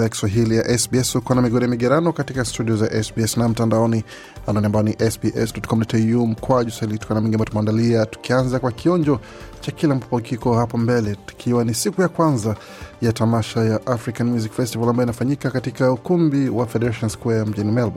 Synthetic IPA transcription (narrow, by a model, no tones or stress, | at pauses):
ajaki̥swaɦilijaʔɛsbiɛshukwanamiɡɔɾɛamiɡɛɾanɔkatikastudiɔzaʔɛsbiɛsnam̩tandaɔni | anɔniambajɔniʔɛsbiʔɛsdɔtkɔm̩dɔtium̩kwaʄuswahiliktukanamiŋɡiambaɔtumandaliatu̥kianzakwakiɔɲd͡ʒɔ | t͡ʃakilam̩pupɔkikɔhapɔmbɛlɛtu̥kʰiwanisikujakwanza | jatamaʃajaʔafɾikanmjuzikfɛstivalambajɔinafaɲikakatikaukumbiwafɛdɛɾaʃɔnskwɛam̩ʄinimɛlba